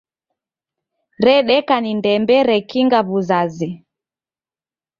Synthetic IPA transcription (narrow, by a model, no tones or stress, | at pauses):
ɾɛɗɛkanindɛmbɛɾɛkiŋɡaβuzazi